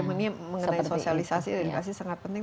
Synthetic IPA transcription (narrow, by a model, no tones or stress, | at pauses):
maniaməŋənajsosialisasḭdaɾikas̬isaŋat̪̚pənt̪ɪŋ